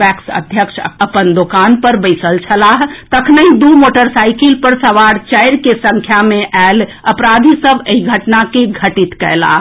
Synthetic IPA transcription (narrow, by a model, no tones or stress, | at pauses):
ɛksə̰d̪ʱjəkʃʰəpənd̪okanpəɾbəɪsəlt͡ʃʰəlaɦt̪əkʰnəɦĩd̪umoʈəɾsajkilpəɾsəʋaɾt͡ʃəjɾkesə̃ŋkʰjamẽʔal | əpɾad̪ʱisəbʱeiɡʱəʈnakeɡʱəʈit̪kə̰jla̰